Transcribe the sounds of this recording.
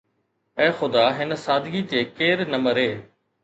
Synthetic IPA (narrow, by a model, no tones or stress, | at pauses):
ɛ̃ːxʊd̪aɦɪnə̆saːd̪ʱɡit͡ɕeːkeːɾnɐməɾɦeː